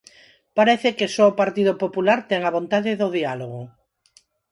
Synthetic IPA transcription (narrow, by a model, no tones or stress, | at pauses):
paɾɛθɪkesɔopaɾt̪iðopopulaɾt̪ɛŋaβont̪aðɪðoðialoɣʊ